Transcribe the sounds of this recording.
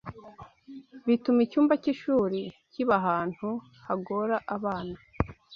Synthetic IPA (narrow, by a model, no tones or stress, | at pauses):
βitumicuːmbaciʃuːɾiciβaɦaːn̥hu | haɡo̞ɾaʔaβaːna